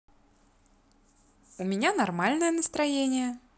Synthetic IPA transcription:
umʲinʲanarmalʲnɐjɛnɐst̪ɾajenʲɪjɛ

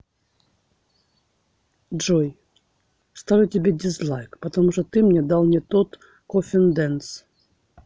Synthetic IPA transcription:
ʐoj | st̪avʲɪtʲɪbʲedʲɪslˠajkpɐt̪ɐmuʂt̪ɔt̪ɨmnʲed̪alˠnʲɪt̪ot̪ | kofʲɪnd̪ɛns

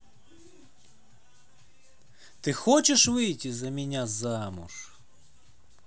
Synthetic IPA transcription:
t̪ɪxɔt͡ʃeʃʋɪjtʲizɐmʲinʲazamʊ̰ʃ

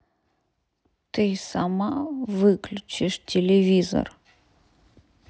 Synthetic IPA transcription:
t̪ɨsamavɨklʲut͡ʃiʂtʲɛlʲɛvʲizɐ̰r

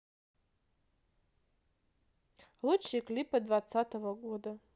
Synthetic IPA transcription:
lut͡ʃʰikʼlʲipad̪vat͡sːat̪ovɐɡʷoda

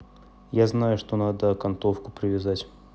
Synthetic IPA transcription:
jaznajʊʂt̪onad̪əkɐnt̪ofkʊpɾʲɪvʲɪzatʲ

